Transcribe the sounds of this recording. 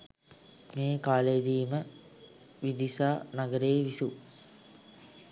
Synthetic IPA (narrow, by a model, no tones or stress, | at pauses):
meːkaːled̪iːmə | ʋid̪isaːnaɡəɾeːʋisu